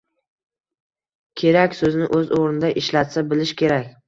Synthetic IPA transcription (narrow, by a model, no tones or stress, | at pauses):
kʲʰe̞ɾakʲsɵznɪʔɵzoʁɾɪnɪd̪aʔɪʃlat̪sabɪlɪʃkʲʰe̞ɾakʲ